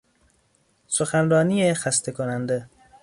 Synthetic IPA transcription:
soxænrɒːnijexæst̪ʰekʰonænd̪e

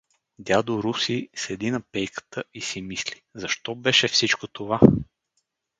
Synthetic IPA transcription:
d̪ʲjad̪oɾusisɛd̪inɐpɛjkə̥t̪ʰəisimislizɐʃt̪ɔbɛʃɛfsit͡ʃkot̪ova

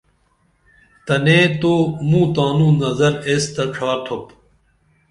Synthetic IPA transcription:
t̪ɐnẽːt̪oːmũːt̪aːnũːnɐzɐɾeːst̪ɐʈ͡ʂʰaːɾt̪ʰop

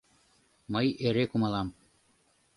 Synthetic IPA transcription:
mɤjeɾekumɑlˠɑm

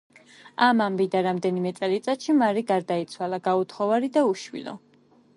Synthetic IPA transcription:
amambid̪aɾamd̪ɛnimɛt̪sʼɛlit̪sʼat̪ʃimaɾiɡaɾd̪ait̪sʰwalaɡaut̪ʰχɔvaɾid̪auʃwḭlɔ̰

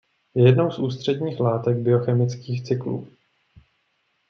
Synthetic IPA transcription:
jɛjɛdno̞wsʔuːst̪r̝̥ɛdɲiːxlaːt̪ɛɡ̚bɪo̞xɛmɪt͡skiːxt͡sɪklṵː

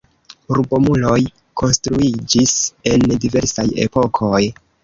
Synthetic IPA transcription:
uɾubo̞mulo̞j | kʰo̞nstɾuid͡ʒise̞ndive̞ɾsaje̞̰po̞kʰo̞j

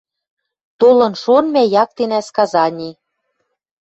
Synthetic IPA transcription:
t̪olɤ̆nʃonmæjɑk̚t̪enæskɑzɑnʲi

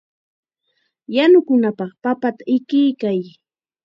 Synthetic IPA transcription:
janʊkʊnapɑχpapat̪aɪkɪjkaj

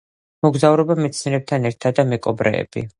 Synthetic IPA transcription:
mɔɡzavɾɔbamɛt̪sʰniɾɛb̚t̪ʰanɛɾt̪ʰad̪amɛkʼɔbɾɛ̰ːb̥ḭ

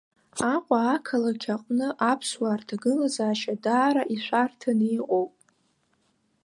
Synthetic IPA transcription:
aqʷʼaːkʰalakʲʰaqʷʼnɨʔapʰswartʰaɡɨlazaːʃadaːɾaʔiħʷartʰanːqʼowpʼ

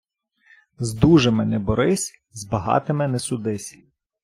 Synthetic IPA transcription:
zd̪uʒemɪnɛbɔɾɪsʲ | zbɐɦɑ̰t̪ɪmɪnɛsʊd̪ɪsʲ

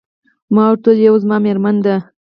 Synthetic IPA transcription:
mɑwɾt̪oljawzmɑmeɾmand̪a

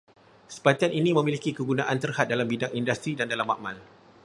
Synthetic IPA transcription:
sə̥pat̪ianinĩmə̃milikikəɡunaʔant̪ərhat̪̚dalambidaŋindast̪ɾidandalama̰ʔma̰l

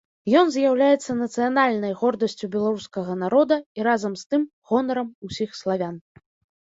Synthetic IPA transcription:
jɔnzʲjawlʲajɛt̪sːɐnɐt̪sɨjanalʲnɐjɣɔrd̪ɐsʲt͡sʲubʲɛlˠaɾuskɐɣɐnaɾɔd̪ɐiɾazɐmst̪ɨm | ɣɔnɐɾɐmusʲixslˠavʲan

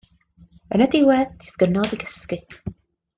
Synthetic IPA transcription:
ənədɪwɛðd̥ɪskənɔðiɡəskɨ

